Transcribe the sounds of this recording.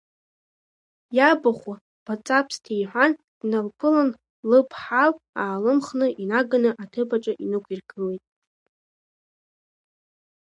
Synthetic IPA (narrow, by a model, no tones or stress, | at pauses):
jabaχʷa | b̥at͡sʼapʰstʰejħʷan | d̥nalpʰɨlan | lɨpʰħalaːlɨmχnɨʔinaɡanɨʔatʰɨbaʈ͡ʂʼaʔinɨkʷʰirɡɨle̞jtʼ